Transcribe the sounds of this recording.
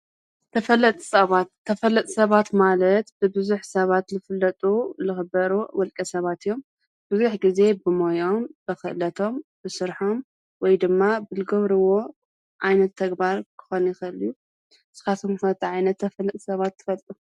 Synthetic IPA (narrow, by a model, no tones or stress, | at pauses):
t̪ʰɐfɐlːɐt̪ʼsɐβat̪ʰːɐfɐlːɐt̪ʼsɐβat̪malɐt̪bɨbɨzuħsɐβat̪lɨfɨlːɐt̪ʼulɨxɨbɐɾuwɔlkʼɐsɐβat̪ʰɨjːo̞m | b̥ɨzuħɡize̞bɨmojo̞mb̥ɨxɨ̰ʔlɐt̪ʰo̞mbɨsɨɾħo̞m | wɔjd̪ɨmːabɨlɨɡɐβɾɨwo̞ | ʕajnɐt̪ʰːɐɡbaɾkʰɨ̥xonjɪxɨɨlːijːu | sɨ̥kat̪ʰomsɐt̪ʰiʕajnɐt̪ʰːɐfɐlːɐt̪ʼsɐβat̪ʰːɨ̥fɐlt̪ʼu